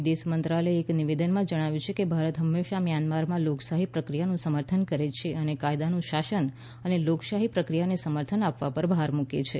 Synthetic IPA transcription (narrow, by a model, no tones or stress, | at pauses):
d̪esmənt̪ɾaləeːkniʋed̪ənmãd͡ʒəɽ̃aʋjũt͡ʃʰekebʱaɾət̪ɦəmːeʃamjanmaɾmãloksaɦipɾəkɾijanũsəməɾt̪ʰənkəɾet͡ʃʰeʔənekajd̪anũʃaʃən | əneloksaɦipɾəkɾijanesəməɾt̪ʰənapʋapəɾbʱaɾmũkḛt͡ʃʰe